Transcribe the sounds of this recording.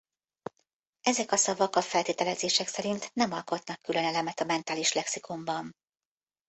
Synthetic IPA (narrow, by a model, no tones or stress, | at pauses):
ɛzɛkɒsɒvɒkɒfɛlt̪eːt̪ɛlɛzeːʃɛksɛɾint̪nɛmɒlko̞t̪nɒkːylø̞nɛlɛmɛt̪ɒmɛnt̪aːliʃlɛksikombɒn